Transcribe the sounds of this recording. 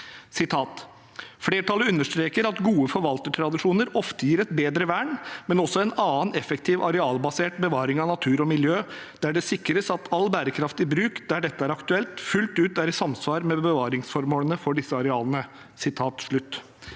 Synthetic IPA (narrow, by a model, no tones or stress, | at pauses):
sɪt̪ʰɑːt̪ | fleːʈɑlːəʉnːəʂt̪ɾeːkəɾɑt̪ɡuːəfɔɾʋɑlt̪əʈʰɾɑd̪ɪʂuːnəɾɔft̪əjiːɾɛt̪beːd̪ɾəʋæːɳmɛnɔsːɔɛnɑːnɛfɛkt̪ʰɪːʋʔɑɾɛɑːlbɑseːʈbəʋɑːɾɪŋɑnɑt̪ʰʉːɾɔmɪljøːd̪̥æɖɛsɪkɾəsɑt̪ʰɑlːbæːɾəkʰɾɑft̪ɪbɾʉːkd̪æɖɛt̪ːəæɾɑkt̪ʉɛlt̪fʉlt̪ʉːt̪æɾsɑmsʋɑːɾmɛbəʋɑːɾɪŋsfɔɾmoːlənəfɔɖɪsːəɑɾɛɑːlənə | sɪt̪ʰɑːt̪ʂɭʉt̪ː